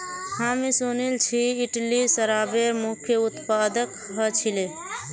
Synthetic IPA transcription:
hãmisunilt͡ʃʰiːʈlisəɾabeɾmukʰjəut̪pad̪ək | ɦət͡ʃʰile

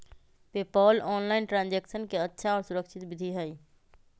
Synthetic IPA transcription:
peːpɔːlɔːnlaːɪnʈɾãːnd͡ʒeːkʃənkeɐtːʃʰaɔːɾsʊɾəkʃʰɪt̪bɪd̪ʱiɦɛiː

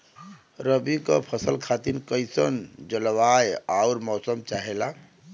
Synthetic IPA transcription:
ɾəbikəpʰəsəlkʰat̪inkəjsənd͡ʒəlʋajauɾmɔsəmt͡ʃaɦela

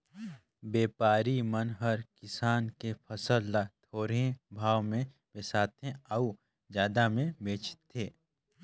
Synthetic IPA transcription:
beːpaːɾimənɦəɾkɪsaːnkepʰəsəlːat̪ʰoːɾẽbʱaːwmẽ | besaːt̪ẽəu | d͡ʒjaːd̪amẽbeːt͡ʃt̪ʰːeː

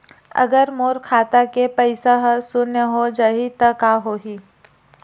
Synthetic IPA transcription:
ɐ̰ɡəɾmoːɾkʰaːt̪akepəɪsaɦsʊnəɦod͡ʒaɦit̪ɐkaɦoːɦiː

